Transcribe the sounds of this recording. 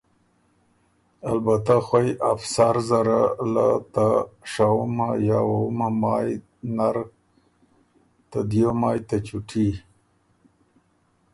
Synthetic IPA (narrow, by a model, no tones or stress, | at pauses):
albat̪axwajafsaɾzaɾala̰t̪aʂawumaja̰wawumamɑj | naɾ | t̪ad̪ijomɑːjt̪at͡ʃuʈʰi